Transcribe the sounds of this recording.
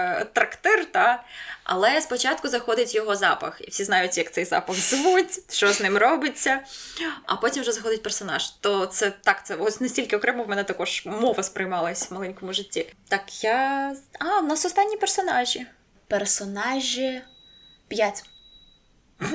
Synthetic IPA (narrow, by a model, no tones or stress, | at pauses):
t̪ɾɐkt̪ɛrt̪ɑʔɐ̰lˠɛspɔt͡ʃɑt̪kʊzɐxɔd̪ʲɪtʲjɔɦɔzɑpɐ̰xḭwsʲiznɑjʊtʲjɐkt̪ɛjzɑ̰pɐɣzɪʋutʲʃt͡ʃɔznɪmrɔbɪt͡sʲːɐ | ɐ̰pɔtʲimwʒɛzɐxɔd̪ʲɪt̚ʲpersɔnɑ̰ʒ̥t̪ɔt̪sɛt̪ɑkt̪sɛɔsʲnesʲtʲilʲkɪɔkɾɛmɐwmɛnɛt̪ɐkɔʒ̥mɔʋɐspɾɪjmɑlˠɐsʲʋmɐlˠɛnʲkɔmʊʒɪtʲːit̪ɑkjaɑwnɑsɔst̪ɑnʲːipersɔnɑʒʲi | persɔnɑʒʲi | pjatʲ